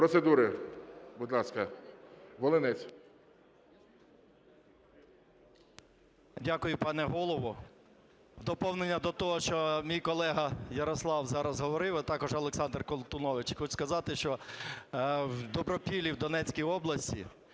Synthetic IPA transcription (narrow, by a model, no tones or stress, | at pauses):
pɾɔsed̪uɾɪbʊd̪lˠɑskɐ | ʋɔlˠɪnɛt͡sʲ | dʲakʊjʊpɑnɛɦɔlˠɔʋʊ | d̪ɔpɔwnenʲːɐd̪ɔt̪ɔɦɔʃt͡ʃɔmʲijkɔlˠɛɦɐjɐɾɔslˠɑwzɑɾɐzɦɔʋɔɾɪwɐt̪ɑkɔʒɔlˠeksɑnd̪rkɔlˠt̪ʊnɔʋɪt͡ʃxɔt͡ʃskɐzɑt̪ɪʃt͡ʃɔ | wd̪ɔbɾɔpʲilʲiwd̪ɔnɛt͡sʲkʲijɔblˠɐsʲtʲḭ